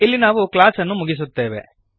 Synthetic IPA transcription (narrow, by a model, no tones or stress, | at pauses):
ilːinaːʋuklaːsɐnːumuɡis̬ut̪ːe̞ːʋḛ